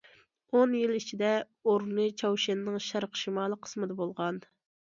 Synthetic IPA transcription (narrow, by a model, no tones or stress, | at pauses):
onjilit͡ʃʰid̪ɛ | oɾnɨt͡ʃʰɑwʃɛnːɪŋʃæɾqʃimɑːlˠəqʰːə̥smɨd̪ɛbolˠʁɑn